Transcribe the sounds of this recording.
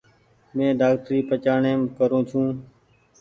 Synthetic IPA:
mẽːɖaːkʈɾiːpət͡ʃaːɳeːmkəɾõːt͡ʃʰũː

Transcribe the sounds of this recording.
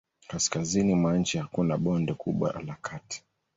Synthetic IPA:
kaskazinimwan̩t͡ʃihakunaɓɔndɛkʰuɓwa̰lakʰati̥

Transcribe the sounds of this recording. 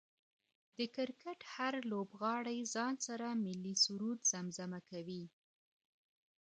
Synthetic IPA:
d̪̥əkɪɾkaʈhaɾlobɣɑɽajzɑnsaɾamɪlːisuɾud̪z̥amzamakawi

